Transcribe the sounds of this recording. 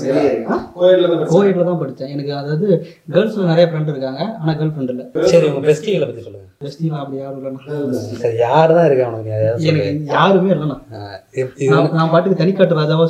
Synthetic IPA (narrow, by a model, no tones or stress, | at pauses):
aːojɐʈlaɐpoːjɐːʈɪlɐt̪ãːpɐʈːɯt͡ʃːẽːɛnɐkːɯɐðaːʋɐðɯ | ɡɐlslɐnɪɾɐjɐfɾɐɳɖɪɾɯkːaːŋɡɐaːnãːɡɐlfɾɐɳɖɪlːɐsɐɾiɔŋɡɐbɛsʈiɪlɐpɐt̪ːisɔlːɯð | bɛsʈilːãːɐpːɐɽijaːɾɯɪlːɐnãːsɐɾijaːɾɯt̪ãːɪɾɯkːẽːɔnɐkːɯjaːjaːɾɛnɐkːɯjaːɾɯmeːɪlːɐnãːɪɾɯt̪ːinãːnaːpaːʈːɯkːɯt̪ɐnɪkːaːʈːɯɾaːd͡ʒaːʋɐ